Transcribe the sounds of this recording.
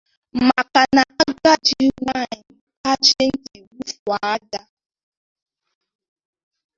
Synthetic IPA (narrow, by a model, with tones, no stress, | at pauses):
ma˨ka˨na˨a˦ɡ͡ba˦d͡ʒi˦ŋʷa˦˨ka˦t͡ʃe˦ŋ̩˦ki˨wu˦fa˨˦da˦